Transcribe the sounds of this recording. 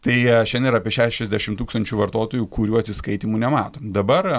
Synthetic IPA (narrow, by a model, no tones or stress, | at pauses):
t̪ɐɪʃʲɛnd̪ʲnɪɾɐːpʲiɛʃʲæːʃʲɛzʲd̪ʲæːʃʲɪmt̪uːkst̪ɐnʲt͡ʃʲuːʋɐɾt̪oːt̪oːjuːkʊɾʲuːɐt̪ʲsʲɪskɐɪt̪ʲiːmunʲɛmɑːt̪oːd̪ɐbɐr